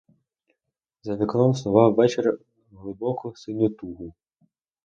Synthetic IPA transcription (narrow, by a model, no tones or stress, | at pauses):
zɐʋʲiklˠɔmslˠʊʋɑwːɛt͡ʃer | ɦlˠɪbɔkɔsɪnʲɔt̪uɦʊ